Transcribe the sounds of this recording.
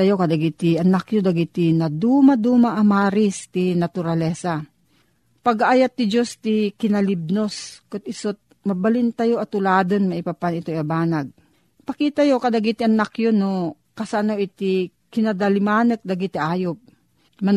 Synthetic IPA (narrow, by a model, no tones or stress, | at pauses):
ɐjokɐd̪ɐɡit̪ɪʔɐnakjod̪ɐɡit̪inɐd̪umad̪uːmaʔɐmaːɾɪst̪inɐt̪ʊɾɐlɛsa | pɐɡaʔajat̪ːɪd͡ʒost̪ikɪnɐlib̚noskʊt̪̚ɪsot̪̚ | mɐbɐlɪnt̪ajoʔɐt̪ʊlaːd̪onmɐʔɪpapanɪt̪ojabaːnaɡ̚ | pɐkiːt̪ɐjokɐd̪ɐɡit̪ɪʔɐnakjono | kɐsaʔanoʔɪt̪ɪ | kɪnɐd̪alɪmaːnək̚d̪ɐɡit̪ɪʔaːjop̚ | mɐ